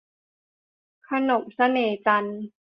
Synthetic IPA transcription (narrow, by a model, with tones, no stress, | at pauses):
kʰa˧no˨˩m̚sa˧neː˨˩t͡ɕa˧n